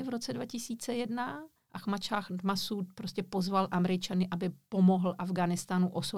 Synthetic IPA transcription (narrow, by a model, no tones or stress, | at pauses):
ɪvɾo̞t͡sɛdvacɪsiːt͡sɛjɛdna | ʔaxmat͡ʃaːxd̪masut̪̚pɾoscʲɛpo̞zvalʔamɛɾɪt͡ʃanɪʔabɪpo̞mo̞ɦl̩ʔavɡaːnɪst̪anuʔoso